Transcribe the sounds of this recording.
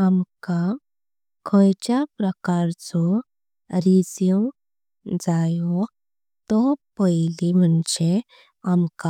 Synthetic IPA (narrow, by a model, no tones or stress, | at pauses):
amka | kʰəjt͡ɕapɾəkaɾt͡sɔ | ɾid͡zju | d͡zajɔ | t̪ɔpəjlimənɕe | amka